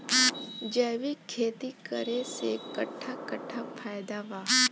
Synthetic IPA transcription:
d͡ʒəːʋikʰːeːt̪ikəɾesekɐʈʰːakɐʈʰapʰaːjd̪aʋa

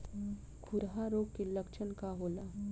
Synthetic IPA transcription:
kʰʊɾɦaɾoːɡ̚keləkt͡ʃʰənkaɦoːla

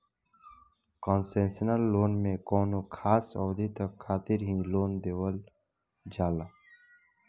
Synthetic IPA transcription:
kɔːnsẽnsənəlːoːnmẽkɔːnokʰaːsɔːd̪ʱit̪əkʰːaːt̪ɪɾɦĩloːnd̪eːwəl | d͡ʒaːlaː

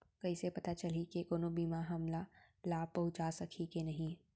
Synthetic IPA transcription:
kɐisepɐt̪at͡ʃɐlikekoːnobiːmaɦɐmla | laːb̚pɐɦʊ̃t͡ʃasɐkʰikenɐɦĩ

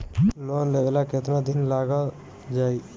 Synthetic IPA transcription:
lɔnleʋelaket̪nad̪ɪnlaːɡa | d͡ʒaːi

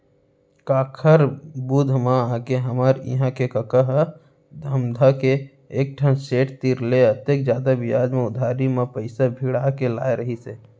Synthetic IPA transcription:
kaːkʰəɾbud̪ʱmãakeɦəmaːɾɪ̰ɦãkekəkəɦə | d̪ʱəmd̪ʱakeː | k̚ʈʰənseːʈt̪iɾleət̪ekd͡ʒjaːd̪abɪjaːd͡ʒmẽʊd̪ʱaːɾimẽpəɪsabʱiɽaːkela̰ːeɾəɦiseː

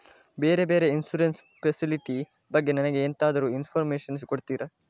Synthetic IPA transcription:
beːɾe̞beːɾe̞insuɾens | pʰesiliʈi | bɐɡːenɐnɐɡe̞ːnt̪aːd̪ɐɾuːinpʰoɾmeːʃɐns̬koɽt̪iːɾɐ

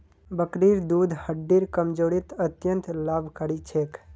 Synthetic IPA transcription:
bəkɾiɾd̪ud̪ʱhəɖːiɾkəmd͡ʒoːɽit̪ət̪jənt̪laːbʱkəɽit͡ʃʰek

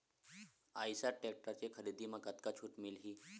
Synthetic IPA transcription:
a̰jsaʈek̚ʈəɾt͡ɕekʰəɾid̪imaɡət̪kat͡ɕʰuːʈmilɦiː

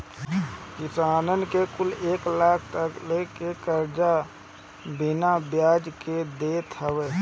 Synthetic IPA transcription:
kɪsaːnənkekʊleːklaːkʰt̪əklekekəɾd͡ʒa | binabjaːd͡ʒked̪eːt̪ɦəweː

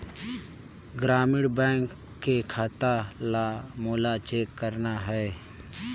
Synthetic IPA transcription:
ɡɾaːmɪɽbɛ̃ːŋkː | ekʰaːt̪alamoːlat͡ʃeːkːəɾnaɦɛː

